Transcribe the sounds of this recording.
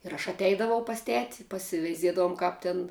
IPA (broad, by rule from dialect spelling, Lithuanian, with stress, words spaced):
ɪr ɐʃ ɐtʲˈɛɪdɐʋɐʊ pɐs ˈtʲæːtʲɪ pɐsʲɪʋʲɛɪˈzʲiɛdɐʋʊm ˈkɑːp tʲɪn